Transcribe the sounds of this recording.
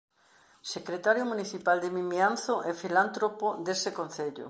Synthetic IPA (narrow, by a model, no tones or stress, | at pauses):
sekɾet̪aɾjomuniθipald̪emimjanθoʔɛfilant̪ɾopod̪esekon̟θeʎo̰